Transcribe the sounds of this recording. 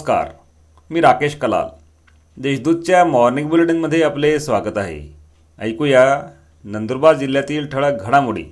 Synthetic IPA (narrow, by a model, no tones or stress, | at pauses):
ska̰ɾ | miːɾakeɕkəla̰ | d̪eɕd̪ud̪̚t͡ɕjamɔɾniŋɡbulɽiŋɡməd̪ʱːjeaplesʋaɡət̪aɦḛ | ə̰jkuja | nənd̪əɾbad̪d͡ʑilːjat̪iːlʈ̪ʰəɭəɡʱəɽ̃amuɽḭː